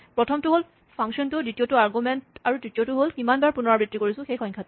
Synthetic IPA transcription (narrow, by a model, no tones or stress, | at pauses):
pɹɔtʰɔmtʊɦol | pʰaŋsɔntʊditiotuaɹɡumɛntaɹutɹitiotʊɦolkimanbaɹpunɔɹabɹitːikoɹisʊ̃xejxɔŋkʰatʊ